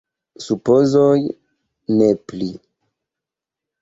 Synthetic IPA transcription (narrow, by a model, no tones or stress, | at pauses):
supozoj | nepli